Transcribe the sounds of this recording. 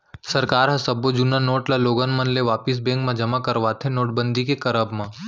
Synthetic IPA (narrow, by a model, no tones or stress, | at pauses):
sɐɾkaːɾɦɐ̃sɐbod͡ʒunanoːʈlaloːɡənmɐ̃nleʋaːpɪs̬bɛ̃ŋkmãd͡ʒɐmakɐɾʋaːt̪ʰenoːʈbə̃nd̪ʱikekɐɾəbmã